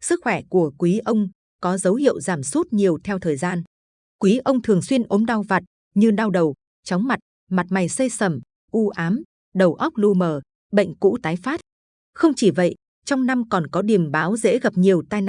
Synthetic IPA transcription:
sɨ˦˥k̚xwɛ˧˩ku˧˩əkwi˨˦ʔə˧wŋ͡m | kɔ˨˦zə˨˦whḭ˧˨əwzaː˧˩msu˦˥t̚ɲi˨˩əwt̪ʰɛ˧wt̪ʰəː˨˩jzaː˧n | kwi˨˦ʔə˧wŋ͡mt̪ʰɨ˨˩əŋswi˧ənʔo˨˦mɗa˧wva˨˩t̚ | ɲɨ˧ɗa˧wɗə˨˩w | t͡ɕɔ˨˦wŋ͡mma˨˩t̚ | ma˨˩t̚ma˨˩jsə˧jsə˧˩m | ʔu˧ʔaː˨˦m | ɗə˨˩wʔə˦˥k͡p̚lu˧məː˨˩ | ɓə̰˧˨jŋ̟kṵ˧˥t̪aː˨˦jfaː˦˥t̚ | xə˧wŋ͡mt͡ɕi˧˩və̰˧˨j | t͡ɕɔ˧wŋ͡mna˧mkɔ˨˩nkɔ˨˦ɗi˨˩əmɓaː˨˦wzḛ˧˥ɣa˨˩p̚ɲi˨˩əwt̪aː˧jn

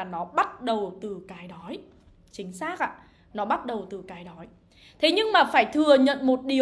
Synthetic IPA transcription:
nɔ˨˦ɓa˦˥t̚ɗə˨˩wt̪ɨ˨˩kaː˨˦jɗɔ˨˦j | t͡ɕï˨˦ŋ̟saː˦˥k̚ʔa̰ː˧˨ | nɔ˨˦ɓa˦˥t̚ɗə˨˩wt̪ɨ˨˩kaː˨˦jɗɔ˨˦j | t̪ʰe˨˦ɲɨ˧ŋmaː˨˩faː˧˩jt̪ʰɨ˨˩əɲə̰˧˨nmo˨˩t̚ɗi˨˩ə

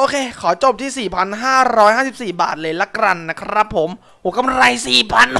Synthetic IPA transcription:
ʔoː˧kʰeː˧kʰɔː˩˦t͡ɕo˨˩p̚t̪ʰiː˥˩siː˨˩pʰa˧nɦaː˥˩ɾɔː˦˥jhaː˥˩si˨˩p̚siː˨˩ba̰ː˨˩t̪̚lɤː˧jla˦˧˥kɾa˧nːa˦˥kʰɾa˦˥pʰːo˨˩˦m | ʔoː˨˩˦ka˧mɾa˧jsiː˨˩pʰa˧n

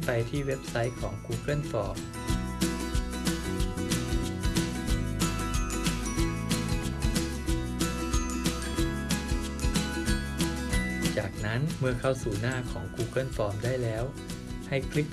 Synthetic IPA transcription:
pa˧jt̪ʰiː˥˩we˦˥p̚sa˦˥jkʰɔː˩˦ŋkuː˧kɤ˥˩˨nfɔː˧m | t͡ɕaː˨˩k̚na˦˥nmɯ˥əkʰa˥˩wsuː˨˩naː˥˩kʰɔː˩˦ŋkuː˧kɤ˥˩˨nfɔː˧mdaː˥˩jlɛː˦˥w | ha˥˩jkʰli˦˥k̚

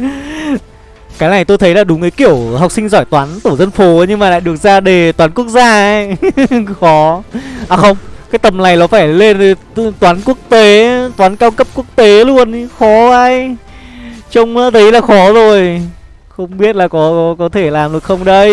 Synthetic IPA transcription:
kaː˨˦jna˨˩jt̪o˧jt̪ʰə˨˦jlaː˨˩ɗʊ˨˦ŋ͡mʔə˨˦jki˧˩əwɦa˨˩k͡p̚sï˧ŋ̟zɔ˧˩jt̪waː˨˦nt̪u˧˩zə˧nfo˨˦ɲɨ˧ŋmaː˨˩la̰ː˧˨jɗɨ˨˩ək̚zaː˧ɗe˨˩t̪waː˨˦nku˦˥ək̚zaː˧j | xɔ˨˦ʔaː˨˩xə˧wŋ͡mkaː˨˦jt̪ə˨˩mna˨˩jlɔ˨˦faː˧˩jle˧n˨ | t̪waː˨˦nku˦˥ək̚t̪e˨˦t̪waː˨˦nkaː˧wkə˦˥p̚ku˦˥ək̚t̪e˨˦lu˧ənxɔ˨˦ʔa˧j | t͡ɕə˧wŋ͡mt̪ʰə˨˦jlaː˨˩xɔ˨˦zo˨˩j | xə˧wŋ͡mɓi˦˥ət̚laː˨˩kɔ˨˦kɔ˨˦kɔ˨˦t̪ʰe˧˩laː˨˩mɗɨ˨˩ək̚xə˧wŋ͡mɗə˧j

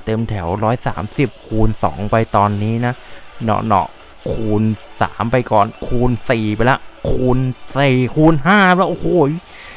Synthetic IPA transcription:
t̪e˧mt̪ʰɛ˩˦wɾɔː˦˥jsa̰ː˩˦msi˨˩p̚kʰuː˧nsɔ̰ː˩˦ŋpa˧jt̪ɔː˧nːiː˦˥na˦˥nɔ̰˧˩nɔ̰˦˩ | kʰuː˧nsa̰ː˩˦mpa˧jkɔː˨˩nkʰuː˧nsiː˨˩pa˧lɛ˦˥kʰuː˧nsiː˨˩kʰuː˧nɦaː˥˩lɛ˦˥ʔo˧˩hoː˧˩

